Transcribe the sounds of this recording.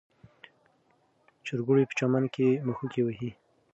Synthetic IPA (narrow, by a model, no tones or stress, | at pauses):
t͡ʃʊɾɡuɽepə̥t͡ʃɑmankeməxukewəhi